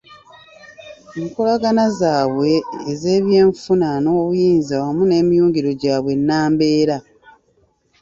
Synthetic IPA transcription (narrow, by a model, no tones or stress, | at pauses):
eŋkolaɡanazaːβwe̞ːzeːβje̞ːɱfunano̞ːβujiːnzawamune̞ːmijuːŋɟiɾo̞ɟaːβwe̞nːaːmbe̞ːɾa